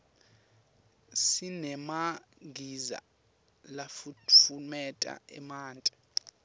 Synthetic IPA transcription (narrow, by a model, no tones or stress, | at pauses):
sinɛmaɡʱiza̰ | lafufumɛtʼa̰ɛmaːntʼɛ̥